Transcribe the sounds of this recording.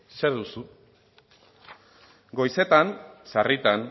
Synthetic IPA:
seɾðusu | ɡo̞jse̞t̪ansarit̪an

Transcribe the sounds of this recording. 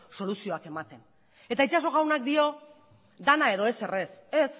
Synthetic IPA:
so̞lusio̞ake̞mat̪e̞n | e̞t̪ait͡ʃaso̞ɣ̞awnak̚d̪io̞ | d̪anae̞ðoe̞se̞re̞se̞s

